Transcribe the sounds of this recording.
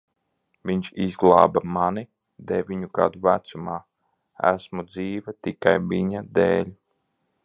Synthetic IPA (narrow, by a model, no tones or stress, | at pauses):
viɲʃizɡlˠa̰ːbamani | d̪ɛvʲiɲuka̰d̪uvæt̪sumaː | æ̰smud̪ziːvʲɛt̪ikajviɲad̪eːlʲ